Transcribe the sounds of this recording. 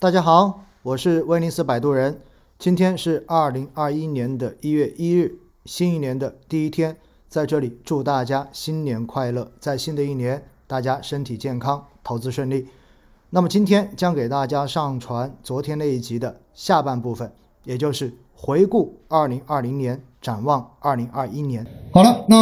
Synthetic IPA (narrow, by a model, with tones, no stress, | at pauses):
t̪a˥˩t͡ɕja˥xɑ˧˦ʊ | wɔ˨˩ʂɻ̩˥˩we˥ɪli˧˥sɹ̩˥˩pa˨˩ɪt̪u˥ɻə˧˥n | t͡ɕi˥nt̪ʰjɛ˥nʂɻ̩˥˧ɐ˞˥˩li˧˥ŋɐ˞˥˩i˥njɛ˧˥nd̪ə˨i˥ɥɛ˥˩ʔi˥ɻɻ̩˥˩ | ɕi˥ni˥˩njɛ˧˥nd̪ə˧t̪i˥˩i˥t̪ʰjɛ˥n | t͡sa˥˧ɪʈ͡ʂɤ˥˩li˨˩˦ʈ͡ʂu˥˧t̪a˥˩t͡ɕja˥ɕi˥nnjɛ˧˥nkʰwa˥˧ɪlɤ˥˩t͡sa˥˩ɪɕi˥nd̪ə˨˧i˥˩njɛ˧˥nt̪a˥˩t͡ɕja˥ʂə˥nt̪ʰi˨˩t͡ɕjɛ˥˩nkʰɑ˥ŋt̪ʰo˧˥ʊt͡sɹ̩˧˥ʂwə˥˧nli˥˩ | na˥˩mə˩t͡ɕi˥nt̪ʰjɛ˥nt͡ɕjɑ˥ŋke˨˩ɪt̪a˥˩t͡ɕja˥ʂɑ˥˩ŋʈ͡ʂʰwa˧˥nt͡swɔ˧˥t̪ʰjɛ˥ne˥˧ɪi˥˩t͡ɕi˧˥d̪ə˧ | ɕja˥˧pa˥˧npu˥˩fə˨˩n | jɛ˨˩t͡ɕjo˥˧ʊʂɻ̩˥˩ | xwe˧˥ɪku˥˩ɐ˥˩li˧˥ŋʔɐ˥˩li˧˥ŋnjɛ˧˥n | ʈ͡ʂa˨˩nwɑ˥˧ŋə˥˩li˧˥ŋʔɐ˞˥˧i˥njɛ˧˥nxɑ˨˩ʊlə˦na˥